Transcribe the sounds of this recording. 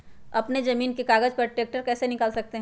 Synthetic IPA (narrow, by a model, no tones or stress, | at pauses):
ɐpnezɐmiːnkekaːɡəd͡ʒpɐɾʈɾeːk̚ʈəɾkɛːsenɪkaːlsɐk̚t̪eɦ